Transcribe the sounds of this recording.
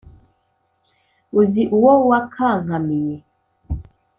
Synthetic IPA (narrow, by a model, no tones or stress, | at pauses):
uziʔuwɔwakʰaŋamijɛ